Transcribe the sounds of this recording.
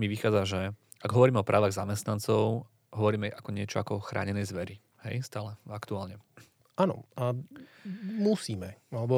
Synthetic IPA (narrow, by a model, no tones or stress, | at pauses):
miʋixaːd͡zaʒɛ | ʔaɡɦɔʋɔɾiːmɛɔpɾaːʋaɣzamɛst̪nant͡sɔʊ | ɦɔʋɔɾiːmɛʔakɔɲɪɛt͡ʃɔakɔxɾʔa̰ːɲɛnɛjzʋɛɾi | hɛ̰jst̪aːlɛakt̪uaːlɲɛ | anɔ̰ʔa | musiːmɛalɛbɔ